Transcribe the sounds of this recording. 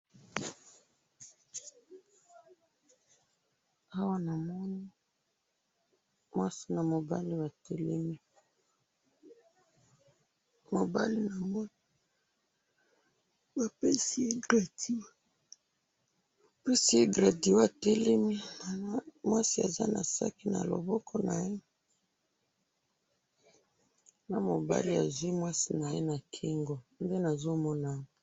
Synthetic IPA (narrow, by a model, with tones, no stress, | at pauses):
a˦wa˦na˨mɔ˦ni˦ | mwa˦si˨na˨mo˨ba̰˦li˦wa˨te˦le˦mi˦ | mo˨ba̰˦li˦na˨mɔ˦ | ba˨pe˦si˦e˦ɡʁa˨di˦˨ | pe˦si˦e˦ɡʁa˨di˨o˦a˨te˦le˦mi˦˨˦ | mwa˦si˦a̰˨za̰˦na̰˨sa̰˦ki˦na̰˨lo̰˨bɔ˦kʰɔ˦na˨je˦ | na˦mo˨ba̰˦li˦a˨zwi˦mwa˦si˨na˨je˦na˨kʰi˦ŋɡo˨nde˦na˨zo˦mɔ˦na˨